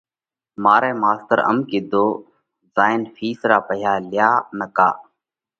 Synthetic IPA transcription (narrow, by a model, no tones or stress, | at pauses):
maːɾeːmaːst̪əɾə̰mkɪd̪oː | zaːɪnfʰiːsɾaːpəɦjaːlɪjaːnəka̰ː